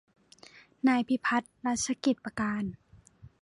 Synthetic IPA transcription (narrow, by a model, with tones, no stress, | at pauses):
naː˧˩jpʰi˧˥pʰa˧˦˥t̪̚ɾa˦˧˥t̪̚sa˧ki˨˩t̪̚pa˧kaː˧n